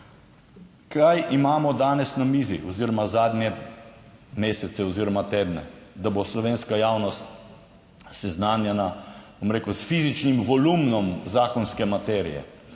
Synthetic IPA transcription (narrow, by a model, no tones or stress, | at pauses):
kʰajʔimaːmɔd̪aːnɛsnamiːzḭʔɔziɾɔmazaːd̪nʲjɛ | meːsɛt̪sɛɔziːɾɔmat̪eːd̪nɛ̰d̪aboslɔʋeːnskajaːwnɔst̪ | sɛznaːnjɛnabomɾeːkusfiːzit͡ʃnimʋɔlumnɔmzaːkɔnskɛmat̪ɛːɾḭjɛ̰